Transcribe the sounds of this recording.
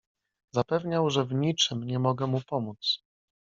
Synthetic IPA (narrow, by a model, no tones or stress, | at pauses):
zapɛvɲawʐɛvɲit͡ʂɘmɲɛmɔɡɛmupɔmut̪s